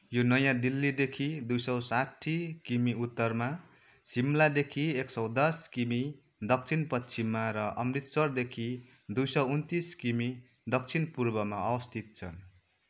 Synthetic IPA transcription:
jonʌjãd̪ilːid̪ekʰid̪ujsʌwsatʰːikimiut̪ːʌrma | simlad̪ekʰieksʌwd̪ʌskimi | d̪ʌk̚t͡sʰinpʌtt͡sʰimːaɾʌʔʌmrit̪swʌrd̪ekʰi | d̪ujsʌwunt̪iskimi | d̪ʌk̚t͡sʰinpurbʌmaʌwʌst̪ʰit̪̚t͡sʰʌ̰n

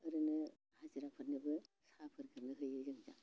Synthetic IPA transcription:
ɐɾɯnɯ | haziɾapʰɯtnɯbɯ | sapʰɯɾɡʰɯnɯɦɯjɯɾɯŋza̰

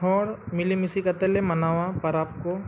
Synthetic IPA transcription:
ɔːɽmɪlimisikɐt̪elemɐnaːʋapɐɾaːp̚ko

